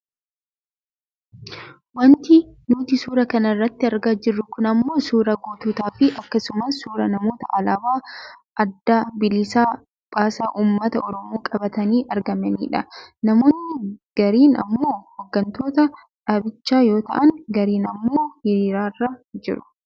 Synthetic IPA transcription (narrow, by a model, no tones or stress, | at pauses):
wɐnt̪inuːt̪ɪsuːɾɐkɐnɐrːɐt̪ːɪɐɾɡaːd͡ʒɪrːʊkʊnɐmːo̞ːsuːɾɐɡoːt̪uːt̪aːfɪʔɐkːɐsʊmɐsːuːɾɐnɐmo̞ːt̪ɐʔɐlabaːʔɐd̪ːaːbɪlːɪsaː | pʼaːsaːʔuːmːɐt̪ɐɔɾɔmoːkʼɐbɐt̪ɐniːʔɐɾɡɐmɐnḭːᶑɐnɐmo̞ːnːɪɡ̥ɐɾiːnɐ̰mːo̞ːhɔɡːɐnt̪o̞ːt̪ɐ | ᶑaːbɪt͡ʃːaːjo̞ːt̪ɐ̰ʔɐŋɡɐɾiːnɐmːoːhɪɾiːɾaːrːaːd͡ʒɪ̰ɾʊ̥